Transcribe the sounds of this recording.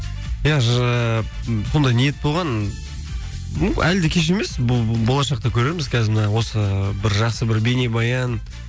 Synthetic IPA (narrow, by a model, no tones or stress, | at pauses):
jɑə | so̞nd̪ɑjnije̞t̪̚bo̞lˠʁɑn | ʔæld̪ɪkʲʰe̞ʃ̬e̞me̞sbbo̞lˠɑʃɑqt̪ɑkʲʰɵɾe̞ɾmɪzkʲʰæzɪmənɑwo̞səbɪɾʒɑqsəbɪɾbenebɑjɑn